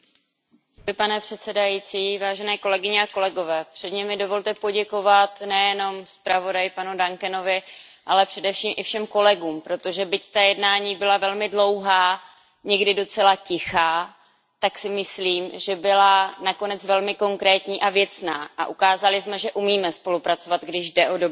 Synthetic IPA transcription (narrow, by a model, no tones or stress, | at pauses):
vɪpanɛpr̝̥ɛt̪sɛdajit͡siːvaːʒɛnɛːko̞lɛɡɪɲɛako̞lɛɡo̞vɛːpr̥ɛdɲɛmɪdovo̞lt̪ɛpo̞ɟɛko̞vat̪nɛjɛno̞mspɾavo̞dajɪpanudaŋkɛno̞vɪ | ʔalɛpr̥ɛdɛfʃiːmʔɪfʃɛmko̞lɛɡuːmpɾo̞t̪oʒɛbɪct̪ajɛdnaːɲiːbɪlavɛlmɪdlo̞wɦaː | ɲɛɡdɪdo̞t͡sɛlacɪxaː | t̪aksɪmɪsliːmʒɛbɪlanako̞nɛt͡svɛlmɪko̞ŋkɾɛːt̪ɲiːʔavjɛt͡snaːʔa̰ʔukaːzalɪsmɛʒɛʔumiːmɛspo̞lupɾat͡sovat̪ɡdɪʒdɛʔo̞dob